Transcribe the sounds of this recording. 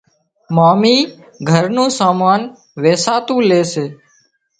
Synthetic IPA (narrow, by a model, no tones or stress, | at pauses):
maːmiː | ɡʱəɾnũːsaːmaːn | ʋeːsaːt̪ũːleːseː